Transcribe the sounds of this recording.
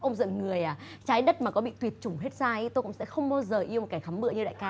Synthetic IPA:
ʔə˧wŋ͡mzə̰˧˨nŋɨ˨˩əjʔaː˨˩t͡ɕaː˨˦jɗə˦˥t̚maː˨˩kɔ˨˦ɓḭ˧˨t̪wi˨˩ət̚t͡ɕʊ˨˩ŋ͡mɦe˦˥t̚zaː˧ə˨˦t̪o˧jkʊ̰˧˥ŋ͡msɛ̰˧˥xə˧wŋ͡mɓaː˧wzəː˨˩ʔi˧əm̚˨˩ka˨˩jxa˨˦mɓɨ̰˧˨ɲɨ˧ɗa̰ː˧˨kaː˨˦

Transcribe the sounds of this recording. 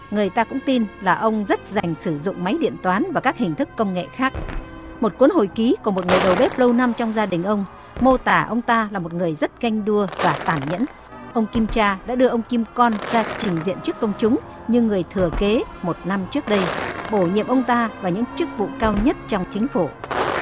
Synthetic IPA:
ŋɨ˨˩əjt̪aː˧kʊ̰˧˥ŋ͡mt̪i˧nlaː˨˩ʔə˧wŋ͡mzə˦˥t̚za˨˩jŋ̟sɨ˧˩zʊ̰˧˨ŋ͡mma˨˦jɗḭ˧˨ənt̪waː˨˦nvaː˨˩kaː˦˥k̚hï˨˩ŋ̟t̪ʰɨ˦˥kːə˧wŋ͡mŋḛ˧˨xaː˦˥k̚ | mo˨˩t̚ku˨˦ənho̰˧˩jki˨˦kmo˨˩t̚ŋɨ˨˩əjɗə˨˩wɓe˦˥p̚lə˧wna˧mt͡ɕɔ˧wŋ͡mzaː˧ɗï˨˩ŋ̟ʔə˧wŋ͡m | mo˧t̪aː˧˩ʔə˧wŋ͡mt̪aː˧laː˨˩mo˨˩t̚ŋɨ˨˩əjzə˦˥t̚ɣa˧jŋ̟ɗu˧əvaː˨˩t̪aː˧˩nɲə̰˧˥n | ʔə˧wŋ͡mki˧mt͡ɕaː˧ɗa̰ː˧˥ɗɨ˧əʔə˧wŋ͡mki˧mkɔ˧nzaː˧t͡ɕï˨˩ŋ̟zḭ˧˨ənt͡ɕɨ˦˥əkːə˧wŋ͡mt͡ɕʊ˨˦ŋ͡m | ɲɨ˧ŋɨ˨˩əjt̪ʰɨ˨˩əke˨˦mo˨˩t̚na˧mt͡ɕɨ˦˥ək̚ɗə˧jɓo˧˩ɲḭ˧˨əmʔə˧wŋ͡mt̪aː˧vaː˨˩ɲɨ̰˧˥ŋt͡ɕɨ˦˥k̚vṵ˧˨kaː˧wɲə˦˥t̚t͡ɕɔ˧wŋ͡mt͡ɕï˨˦ŋ̟fu˧˩

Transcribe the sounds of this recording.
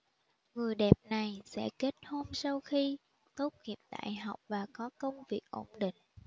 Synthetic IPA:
ŋɨ˨˩əjɗɛ˨˩p̚na˨˩jsɛ̰˧˥ke˦˥t̚ho˧msa˧wxi˧ | t̪o˦˥t̚ŋḭ˧˨˩əp̚ɗa̰ː˧˨jɦa˨˩wk͡p̚vaː˨˩kɔ˨˦kə˧wŋ͡mvi˨˩ək̚ʔo˧˩ŋ͡mɗḭ˧˨ŋ̟

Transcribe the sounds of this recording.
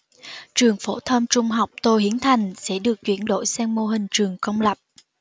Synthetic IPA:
t͡ɕɨ˨˩əŋfo˧˩˦t̪ʰə˧mt͡ɕʊ˧ŋ͡mɦa˨˩wk͡p̚t̪o˧˩hi˨˦ənt̪ʰa˨˩jŋ̟sɛ̰˧˥ɗɨ˨˩ək̚t͡ɕwḭ˧˩ənɗo̰˧˥˨jsɛː˧ŋmo˧ɦï˨˩ŋ̟t͡ɕɨ˨˩əŋkə˧wŋ͡mlə˨˩p̚

